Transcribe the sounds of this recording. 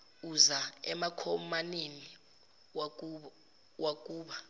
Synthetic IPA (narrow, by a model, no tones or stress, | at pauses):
uzaɛmakʰɔmanini | wak̬ʼuːɓa